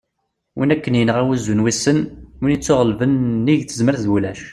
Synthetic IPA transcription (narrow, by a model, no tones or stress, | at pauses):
wʔḭnækːənjənəʁæwæzːunwisːənmunit͡sːʊʁəlvənːiʝθəzməɾθðwulæʃ